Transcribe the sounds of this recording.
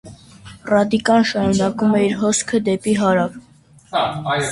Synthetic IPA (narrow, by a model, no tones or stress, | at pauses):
rɑd̪ikɑnʃɑɾunɑkumɛiɾɦɔskʰəd̪ɛpiɦɑɾɑv